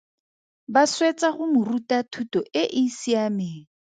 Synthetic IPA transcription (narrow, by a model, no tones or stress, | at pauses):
baswet͡sʼaɣʊmʊrutʼatʰutʼɔʔɪʔɪsiamɪːŋ̩